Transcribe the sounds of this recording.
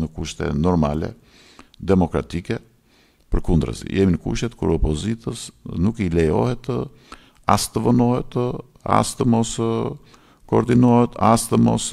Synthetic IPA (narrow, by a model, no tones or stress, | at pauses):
nəkuʃt̪ɛ̰nɔɾmalɛ̰ | d̪ɛmɔkɾa̰t̪ikɛ | pəɾkund̪ɾə̰zḭjɛminəkuʃt̪ɛt̪kuɾɔpɔzit̪əsnukilɛjɔ̰hɛt̪ | ast̪əvənɔhɛt̪ | a̰st̪əmɔs | kɔɔɾd̪inɔhɛt̪ast̪əmɔ̰s